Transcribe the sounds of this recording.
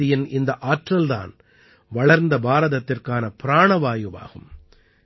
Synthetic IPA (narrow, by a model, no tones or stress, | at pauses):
ɪjɪnɪnd̪ɐʔaːʈrɐld̪a̰ːn | ʋɐɭɐɾnd̪ɐbaːɾɐðɐt̪ːɪrkaːnɐpɪɾaːɳɐʋaːjɯʋa̰ːɣɯ̰m